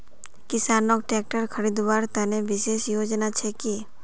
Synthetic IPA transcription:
kɪsaːnok̚ʈɛːk̚ʈəɾkʰəɾid̪baːɾt̪ɛneʋɪseːʃjoːd͡ʒnat͡ʃʰeki

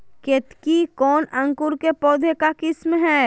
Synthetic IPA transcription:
ket̪kikɔːnɐ̃ŋkʊɾkepɔːd̪ʱekakɪsmɦɛː

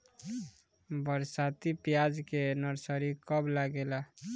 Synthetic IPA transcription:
bəɾsat̪ipjad͡ʒkenəɾsəɾikɔblaɡela

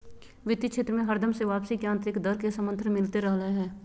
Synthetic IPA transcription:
ʋɪt̪ikʃʰeːt̪ɾəmẽɦəɾd̪ʱəmseʋaːpsikjãːnt̪ɾɪkd̪əɾkesəmə̃nt̪ʰɾəmɪlt̪eɾɛɦleɦɛː

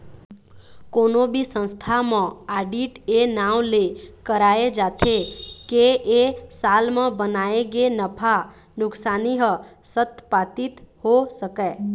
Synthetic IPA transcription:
konobʱisə̃nst̪ʰamə̃aɖiʈenawlekəɾaed͡ʒat̪ʰekeʔesalmə̃bənaeɡenəpʰa | nʊksaniɦəsət̪pat̪it̪hosəkɛ

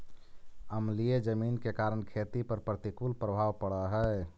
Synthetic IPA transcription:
əmlijed͡ʒəmiːnkekaɾəɳkʰet̪ipəɾpɾət̪ikulpɾəbʱawpəɽəɦɛ

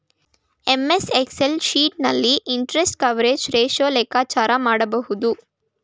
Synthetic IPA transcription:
emesekselʃiːʈnɐlːiʔiɳʈɾesʈkɐʋɾeːd͡ʒɾeːʃoːleːkaːt͡ʃaːɾɐmaːɽɐbɐɦud̪u

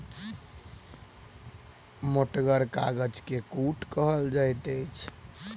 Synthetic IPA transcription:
moʈɡəɾka̰ɡəd͡ʒkekuʈkəɦəld͡ʒajt̪əjt͡ʃʰ

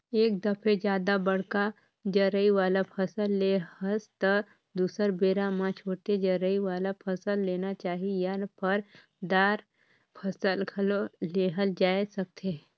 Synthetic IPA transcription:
eːk̚d̪ɐpʰed͡ʒjaːd̪abɐɽka | d͡ʒəɾəiʋaːlapʰɐsəlːeːəst̪ə | d̪uːsəɾbeːɾamãt͡ʃʰoːt̪ed͡ʒəɾəiʋaːlapʰɐsəlːeːnat͡ʃaːɦijanpəɾ | d̪aːɾ | pʰɐsəlɡʰəloleːɦəld͡ʒaːesɐk̚t̪ʰe

